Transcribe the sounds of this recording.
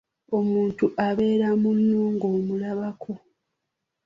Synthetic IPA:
o̞muːntuʔaβe̞ːɾamunːoːŋɡo̞ːmulaβakʰo̞

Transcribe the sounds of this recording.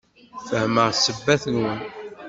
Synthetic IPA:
fəhməʁsəbːæθənwən

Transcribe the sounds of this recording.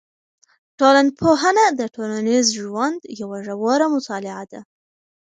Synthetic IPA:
ʈolanpʰoɦanad̪əʈʰolanizʒwand̪jawaʒawɑɾamʊt̪ɑlɪʕad̪a̰

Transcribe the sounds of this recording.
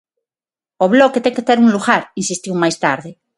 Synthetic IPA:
oβloket̪eŋket̪eɾunluɣaɾinsist̪iwmajst̪aɾðe

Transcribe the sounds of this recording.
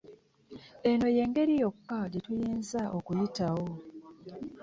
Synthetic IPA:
e̞no̞je̞ːŋɡe̞ɾijo̞kːaɟetujiːnzaʔokujitawo

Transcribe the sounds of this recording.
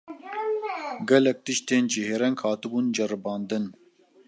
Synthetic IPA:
ɡɛlɛk̚t̪ɨʃt̪eːnd͡ʒiɦeːɾɛŋkhɑːt̪ɨbuːnd͡ʒɛɾɨbɑːnd̪ɨn

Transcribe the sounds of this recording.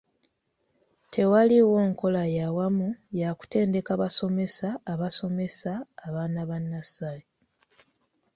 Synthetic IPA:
tʰe̞waliwo̞ːŋko̞lajawamujaku̥te̞ːnde̞kaβaso̞me̞saːβaso̞me̞saːβaːnaβanːasaːje

